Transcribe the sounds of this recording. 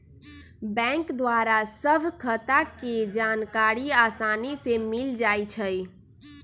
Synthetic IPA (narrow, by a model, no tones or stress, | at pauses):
bɛ̃ŋkd̪waɾasəbʱkʰət̪aked͡ʒankaːɾiaːsaːnisemɪld͡ʒaːjt͡ʃʰəj